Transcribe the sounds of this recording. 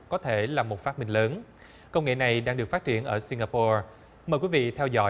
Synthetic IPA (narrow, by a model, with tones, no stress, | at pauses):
kɔ˨˦t̪ʰe˧˩laː˨˩mo˨˩t̚faː˦˥t̚mï˧ŋ̟ləː˨˦n | kə˧wŋ͡mŋḛ˧˨na˨˩jɗaː˧ŋɗɨ˨˩əkfa˦˥t̚t͡ɕi˧˩˨ənʔəː˧˩si˧ŋaː˧po˧ | məː˨˩jkwi˨˦vḭ˧˨t̪ʰɛ˧wzɔ̰˧˥